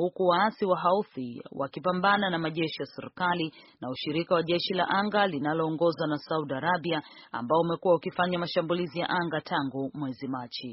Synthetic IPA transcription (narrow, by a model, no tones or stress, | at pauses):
hukuwaasiwaɦauθiwʔa̰kipambananamaʄɛʃijasɛɾikalinauʃiɾikawaʄɛʃila̰ʔaŋɡalinalɔːŋɡɔzwanasauɗaɾabiaa̰mbaɔumɛkuwaukifaɲamaʃambulizija̰ʔaŋɡatʰaŋɡumwɛzimat͡ʃi